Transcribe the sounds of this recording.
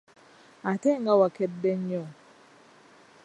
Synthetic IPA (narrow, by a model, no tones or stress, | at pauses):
atɛŋɡawakɛdːɛɲɲɔŋ